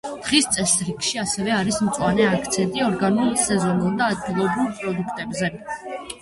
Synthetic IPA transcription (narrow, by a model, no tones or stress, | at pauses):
d̪̥ʁist̪sʼɛsɾikʰʃiasɛvɛaɾismt̪sʼwanɛakʰt̪sʰɛnt̪ʼiɔɾɡanulˠsɛzɔnulˠd̪aːd̪̚ɡilˠɔbɾilpʼɾɔd̪ukʰt̪ʼɛbzɛ